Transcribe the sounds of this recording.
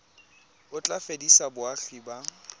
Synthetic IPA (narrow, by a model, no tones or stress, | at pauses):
ʊt͡ɬʼafedisabʊaɬiba